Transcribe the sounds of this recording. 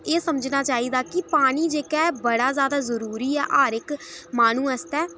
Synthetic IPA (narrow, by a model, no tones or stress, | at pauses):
eːsəməd͡ʒnaːt͡ʃaːiːd̪aːkɪpaːɽ̃iːd͡ʒeːkɛːbəɽaːzjaːd̪aːzəɾuːɾiːɛːʔaːɾɪkmaːnũːɛst̪ɛː